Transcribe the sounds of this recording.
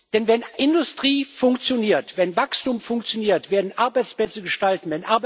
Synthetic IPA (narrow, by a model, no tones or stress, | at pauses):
d̥ɛnvɛnʔɪndʊstʁ̥iːfʊŋkt͡sjoniːɐtv̥ɛnvakstuːmfʊŋkt͡sjoniːɐtv̥eːɐdn̩ʔaɐbaɪt͡splɛt͡səɡəʃtaltn̩vɛnʔaɐb